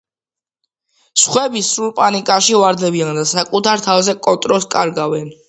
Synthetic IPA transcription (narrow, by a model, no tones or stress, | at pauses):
sχwɛbisɾulˠpʼanikʼaʃivwaɾd̪ɛbiand̪asakʼut̪ʰaɾt̪ʰavzɛkʼɔt̪ʼɾɔskʼaɾɡavɛn